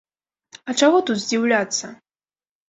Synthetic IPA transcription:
ɐt͡ʂaɣɔt̪ut̪zʲd͡zʲiwlʲat̪sːɐ

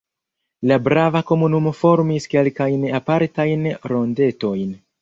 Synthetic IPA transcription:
labɾavako̞munumo̞fo̞ɾmiske̞lkajnapaɾtajnɾo̞nde̞to̞jn

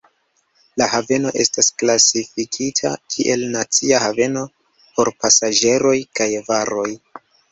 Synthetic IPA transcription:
lahave̞no̞ʔe̞stasklasifikʰitʰa̰kʰiʔe̞lnat͡siahave̞no̞ | po̞ɾpasad͡ʒe̞ɾo̞jkajvaɾo̞j

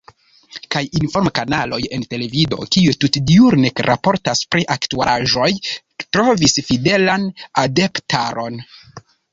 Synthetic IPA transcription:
kajinfo̞ɾmkanalo̞je̞nte̞le̞vido̞̰kiututdiuɾnekɾʔapo̞ɾtaspɾiʔaktuaaʒo̞j | tɾo̞visfide̞lanadeptʰaɾo̞n

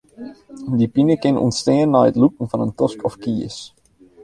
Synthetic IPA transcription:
dipinəkɪnṵntsteːənːaːətlukəŋ̩fɑnəntɔskʰɔfkiəs

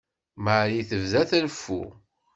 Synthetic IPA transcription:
maʕɾiθəvðæθælfːṵ

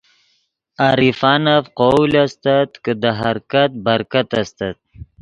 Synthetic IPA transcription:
aɾifɑnafqolast̪at̪kəd̪əɦaɾkat̪̚baɾkat̪ast̪at̪̚

